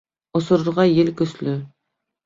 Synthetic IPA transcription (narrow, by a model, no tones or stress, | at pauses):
osʊɾʊɾʁɑjelkʲɵslʏ